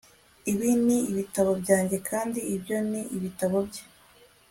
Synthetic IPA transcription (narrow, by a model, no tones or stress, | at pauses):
iβiniːβitaβo̞bɟaːɲɟe̞kʰaːndiːbɟo̞niʔiβitaβo̞bɟe̥